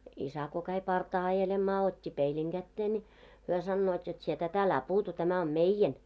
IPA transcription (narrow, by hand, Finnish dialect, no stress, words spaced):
isæ ko kæi pɑrtɑː ɑjelemːɑː otʲːi peiliŋ ɡ̊ætːeː nʲi hyø sɑnːoːt jot sie tæt ælæ puːtu tæmæ om meijen